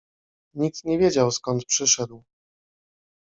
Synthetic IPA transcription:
ɲik̚t̪ɲɛvʲjed͡ʑawskɔnt̪̚pʂɘʂɛd̪w

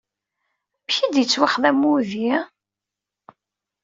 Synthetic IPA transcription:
mçid̪jət͡sːwɪχðæmːuði

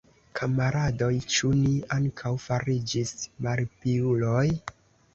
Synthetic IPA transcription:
kʰamaɾado̞jt͡ʃuniaŋkʰawfaɾid͡ʒismaɾpiuloj

